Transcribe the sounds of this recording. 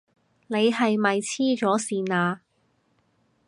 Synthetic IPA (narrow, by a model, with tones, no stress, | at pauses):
ne˨˧jɦɐ˨jmɐ˨jt͡sʰiː˥t͡ʃɔː˨˥siː˨naː˧